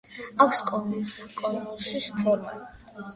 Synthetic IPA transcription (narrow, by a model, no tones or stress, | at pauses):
akʷʰskʼkʼɔnkʼusʃispʰɔɾmɛ̰